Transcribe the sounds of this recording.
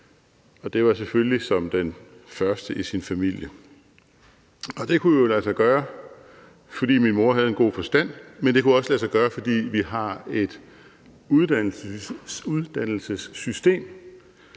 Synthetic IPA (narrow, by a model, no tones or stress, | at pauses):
ɒ̽d̥e̝ʋɑ̈seføllisɒ̽md̥enfɶɐsd̥əʔisinfæmil̰jə | ɒ̽d̥e̝kʰujolælsɑɡ̥ɶːɐ | fɒ̽d̥ḭːminmo̝ɐɦæð̞̩ˠenɡ̥o̝̰ːfɒ̽sd̥æn̰mend̥e̝kʰuɒ̽slæsɑɡ̥ɶːɐfɒ̽d̥ḭːʋiɦɑ̈e̝d̥ | uðˠd̥ænl̩suðˠd̥æn̰l̩səsːysd̥e̝̰ːm